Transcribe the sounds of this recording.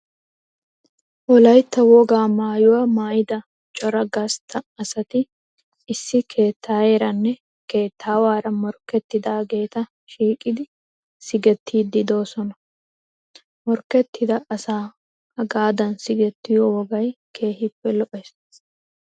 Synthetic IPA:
ʔɔlɐjt̪ːɐwɔɡaːmaːjʊwɐmaːjɪd̪ɐ | t͡ʃʼɔɾɐɡɐst̪ʰɐːsɐt̪ɪ | ɪsːɪkʰe̞ːt̪ʰːaːjeːɾɐnːɛ | ke̞ːt̪ːaːwaːɾɐmɔɾkːɛt̪ːɪd̪aːɡe̞ːt̪ɐ | ʃiːkʼɪd̪ɪ | sɪɡɛt̪ʰːiːd̪ːɪd̪o̞ːsɔnɐ | mɔɾkɛt̪ːɪd̪ɐʔːsaː | ɐɡaːd̪ɐnsɪɡɛt̪ːɪjowɔɡɐjkʰe̞ːhɪpːɛlɔʔɛs

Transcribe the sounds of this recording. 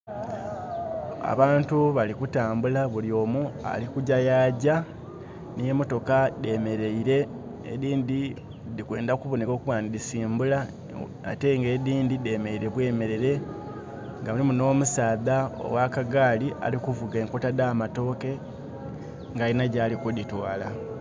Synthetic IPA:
a̰βaːntuβalikutaːmbulaβulio̞ːmua̰likuɟajaːɟa | nije̞mo̞to̞kade̞meɾeiɾe̞ | ḛðiːndi | ðikwe̞ːndakuβo̞neko̞ːkuβwaːndisiːmbula | a̰te̞ŋɡe̞ðiːndide̞ːme̞iɾe̞βwe̞ːme̞ɾe̞ɾe̞ | ŋɡamulimuno̞ːmusaːðao̰wakaɡaːliʔa̰likuvuɡeːŋkutadaːmato̞ːke̞ | ŋɡainaɟaːlikuditwaːla

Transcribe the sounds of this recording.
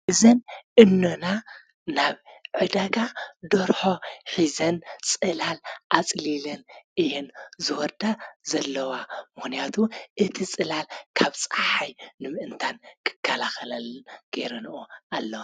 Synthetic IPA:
ʔɨzɐnʔɨnːona | naβʕɨd̪aɡad̪oɾħo̞ħizɐnt͡sʼɨlalʔat͡sʼlilɐnʔɨjenzɨwɔɾd̪azɐlːɐwamɨxnijat̪ʰuʔɨt̪ʰit͡sʼɨlalkʰaβt͡sʼaħajnɨmɨʔɨnt̪ʰankʰɨ̥kʰːalaxɐlɐlːɨnɡ̥eɾɐnʔoalːɐwa

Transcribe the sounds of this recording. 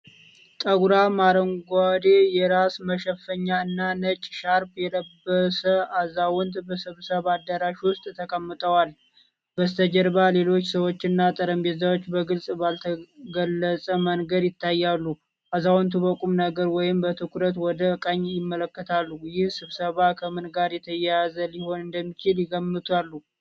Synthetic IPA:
t̪ʼəɡuɾamaɾəŋɡʷwad̪ejɛɾasməʃəfəɲːaɨnːanət͡ʃʼʃaɾpjɛləbːəsəʔazawɔnt̪bəsɨβsəβad̪əɾaʃwʊst̪ʼt̪ʰəkʼəmːɨt̪ʼʰəwal | bəst̪ʰəd͡ʒəɾbale̞lo̞t͡ʃːsəwo̞t͡ʃːɪnːat̪ʼəɾəmbe̞t̪zawot͡ʃːbəɡɨlsʼbalt̪ʰəɡəlːəsʼəmənɡəd̪jɪt̪ːajːalːu | ʔazawɔnt̪ʰuβəkʼumnəɡəɾwɔjɪmbət̪ʰɨkʰuɾət̪wɔd̪əkʼəɲːjɪmːələkːət̪ʰalːujɪhsɨβsəβakʰəmɨnɡaɾjɛt̪ʰəjɛjazəliho̞nɨnd̪əmːit͡ʃɪljɪɡəmːɨt̪ʰalːu

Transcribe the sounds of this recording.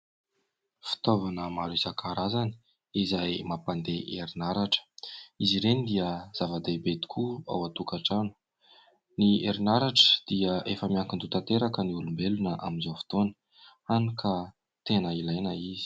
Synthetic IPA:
fi̥t̪ovanəmaɾisakʰaɾazani̥ | izajmapand̪eʔeɾinaɾaʈ͡ʂə̥iziɾenid̪iəz̥avad̪ebed̪i̥kʰua̰wat̪ukaʈ͡ʂanu̥ | nieɾinaɾaʈ͡ʂə̥d̪̥iəʔefəmiaŋkind̪ut̪ant̪eɾakəniulumbelunəʔa̰minzowfi̥t̪onə̥ | anukʰa | t̪enəilajnəizi̥

